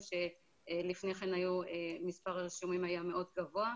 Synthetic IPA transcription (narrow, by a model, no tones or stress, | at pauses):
ʃe̞ | lifneχenajuemispaʁaʁiʃumimajame̞ʔo̞dɡavoa